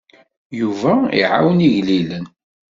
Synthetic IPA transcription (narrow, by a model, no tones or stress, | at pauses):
juvæḭʕa̰wniʝlilən